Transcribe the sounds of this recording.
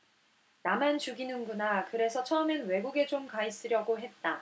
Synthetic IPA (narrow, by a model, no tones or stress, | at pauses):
namant͡ɕuɡinɯnɡunakɯɾe̞sʰʌt͡ɕʰʌɯmenwe̞ɡuɡe̞t͡ɕomkais͈ɯɾjʌɡoɦe̞t̚t͈a